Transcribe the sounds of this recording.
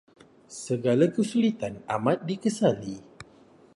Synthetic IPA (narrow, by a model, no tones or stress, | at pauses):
səɡalakəsulit̪anamat̪̚dikəsali